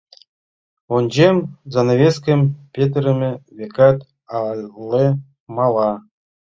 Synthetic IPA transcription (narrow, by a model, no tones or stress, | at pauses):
onʲd͡ʑemʲzɑnavʲeskʲĕmʲpʲet̪̬ʲrʲɘ̆mʲɘ̆vʲekɑt̪ | ɑlʲle | mɑlˠɑ